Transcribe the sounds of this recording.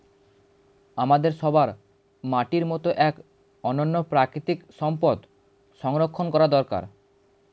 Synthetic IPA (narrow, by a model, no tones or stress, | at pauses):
amad̪eɾʃɔbaɾ | maʈiɾmɔt̪oʔɛk | ɔnonːopɾakɾit̪ikʃɔmpod̪ | ʃɔŋɾokʰːonkɔɾad̪ɔɾka̰ɾ